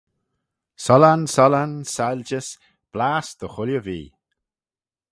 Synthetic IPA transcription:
sɔlansɔlansalʲd͡ʒəs | b̥laːsd̪̥əxʊljəvḭː

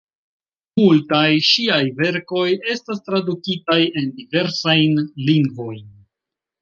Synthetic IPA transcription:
multajʃiajve̞ɾko̞je̞stastɾadukitaje̞ndive̞ɾsajnliŋɡvo̞jn

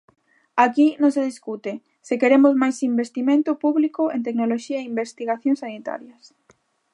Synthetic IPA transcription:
akinõŋseðiskut̪e | sekeɾemʊzmajsimbest̪imẽnt̪ʊpuβlikʊent̪̬eknoloʃiɐeimbest̪iɣaθjõŋsanit̪a̰ɾjɐs

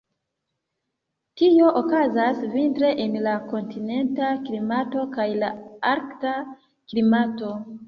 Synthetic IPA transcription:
tio̞ʔokazasvintɾe̞ʔenlako̞ntine̞ntaklimato̞kajlaaɾkta | klimato̞

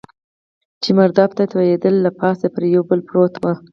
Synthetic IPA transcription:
t͡ʃimaɾd̪ɑbt̪at̪wajed̪əlːapɑsapəɾjawbəlpɾot̪wə

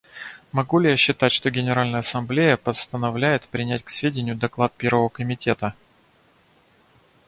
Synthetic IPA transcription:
mɐɡulʲɪjaɕːɪt̪atʲʂt̪o̞ɡʲɪnʲɪɾalʲnəjəɐsɐmblʲejəpəst̪ənɐvlʲæjɪt̪pɾʲɪnʲætʲksvʲedʲɪnʲɪjʊd̪ɐklˠat̪̚pʲe̞ɾvəvəkəmʲɪtʲe̞t̪ə

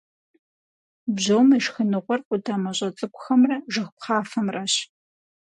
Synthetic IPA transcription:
bʑɐwmɐʃxɨnɨʁʷɔrqʷʼʊdʰaːmɐɕʼɐt͡sʼɨkʷʊxɐmrɐʒɨxʷp̚qɑːfɐmrɐɕ

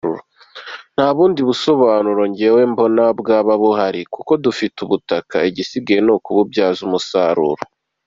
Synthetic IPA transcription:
uɾo | n̥haβuːndiβuso̞βaːnuɾo̞ɲɟewe̞ːmbo̞nabɡaːβaβoɦaɾikuko̞dufituβutakaiɟisiɡajenokuβubɟaːzumusaɾṵɾo

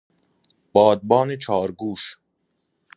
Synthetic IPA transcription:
b̥ɒːd̪̚bɑːnet͡ʃʰɒːɾɡuːʃ

